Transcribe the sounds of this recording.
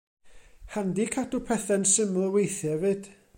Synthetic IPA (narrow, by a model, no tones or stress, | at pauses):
handikʰadupʰɛθɛnsɪmlˠwejθjɛvɨd̥